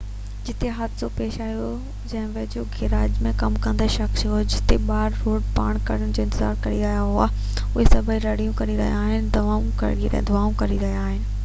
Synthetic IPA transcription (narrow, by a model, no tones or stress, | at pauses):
d͡ʑɪt̪eɦɐt̪sopeːʃaːijo | d͡ʑɐ̃ɦɪ̃ʋɐd͡ʑoɡʱɪɾaːd͡ʑmẽkɐmkɐ̃nd̪eʃɐxsɦoed͡ʑɪt̪eɓaːɾːoːɖpa̰ːɽ̃kɐɽ̤ənɪ̆d͡ʑoːɪ̃nt̪ɪza̰ːɾkɐɾiɾɐɦijaɦʊa | ʊɦesɐbʱəiɾɐɽijũkɐɾiɾɐɦij̰aːɦɪnɪ̆d̪ɐʋaːũkɐ̰iɾ̰d̪ʊaːũkɐɾiɾɐɦiaːɦɪnɪ̆